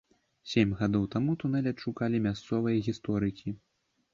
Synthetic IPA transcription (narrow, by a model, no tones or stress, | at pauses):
sʲemʲɣad̪ɔwt̪amut̪unɛlʲɐt̪ʂukalʲimʲast̪sɔvɐjɐɣʲist̪ɔɾɨkʲi